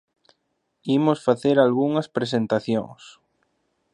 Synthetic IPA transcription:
imosfaθeɾalɣuŋɐspɾes̬ent̪aθjõ̰ŋs

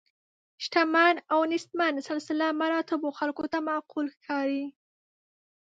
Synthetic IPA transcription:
ʃʈamɑnawnɪst̪mansɪlsɪlamaɾɑt̪ɪboxalkot̪amaqulxkʰɑɾi

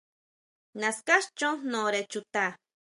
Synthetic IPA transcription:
naskaʃt͡ʃonoɾet͡ʃut̪a

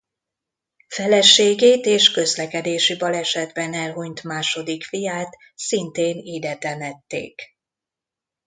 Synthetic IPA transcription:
fɛlɛʃːeːɡeːt̪eːʃkø̞zlɛkɛd̪eːʃibɒlɛʃɛd̪bɛnɛlɦuɲt̪maːʃo̞d̪ikfijaːt̪ | sint̪eːniːd̪ɛt̪ɛmɛt̪ːḛːk

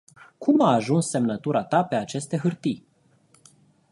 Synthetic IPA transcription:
kʰumaːʒunsːe̞mnət̪uɾat̪ape̞at͡ʃe̞st̪e̞ɦɨrt̪ij

